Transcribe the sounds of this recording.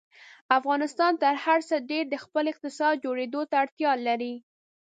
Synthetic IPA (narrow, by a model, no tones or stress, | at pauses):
afɣɑnɪst̪ɑnt̪əɾhaɾsəɖeɾd̪əxpəlɪq̚t̪ɪsɑd̪̚d͡ʒoɽed̪ot̪aːɽt̪jɑlaɾi